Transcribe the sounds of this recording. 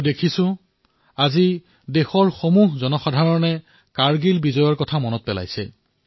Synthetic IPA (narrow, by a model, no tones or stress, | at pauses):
dekʰisʊ̃ | azi | dexɔɹxomuɦzɔnɔxɔdʱaɹɔnɛ | kaɹɡilbizɔjɔɹkɔtʰamɔnɔt̚pɛla̰jsɛ̰